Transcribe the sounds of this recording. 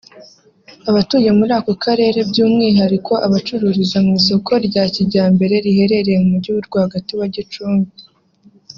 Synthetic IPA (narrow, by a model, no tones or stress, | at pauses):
aβatuːje̞muɾaːko̞kʰaɾe̞ːɾe̞bɟuːmŋiːɦaɾikʰo̞ʔaβat͡ʃuɾuɾizamŋiːso̞kʰo̞ɾɟaːciɟaːmbe̞ɾe̞ɾihe̞ɾe̞ɾe̞jemumuɾɟuβuɾɡwaːɡatuβaɟit͡ʃuːŋɡi